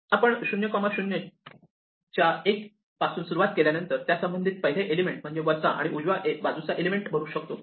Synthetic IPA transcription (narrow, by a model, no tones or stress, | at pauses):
apəɳɕunjəkɔmaɕunjə | t͡ɕjaek | pasuːnsuɾuʋat̪̚keljanənt̪əɾt̪jasəmbənd̪ʱit̪̚pəɦileʔelimeɳʈ̚m̤əɳd͡zeʋəɾsaʔa̰ɽ̃iʔud͡ʑʋaʔebad͡zut͡saʔelimeɳʈbʱəɾuːɕək̚t̪o